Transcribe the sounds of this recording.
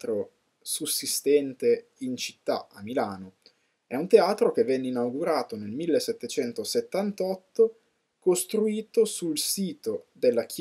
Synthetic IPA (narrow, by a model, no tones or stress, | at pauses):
t̪ɾo | susːist̪ɛnt̪e | int͡ʃi̥t̪ːa̰a̰mːilaːno | ɛunt̪eaːt̪ɾok̟evːɛnːeinawɡuɾaːt̪onelmilːesːet̪ːet͡ʃɛnt̪oset̪ːant̪ɔt̪ːo | kost̪ɾuiːt̪osulsiːt̪od̪elːak̟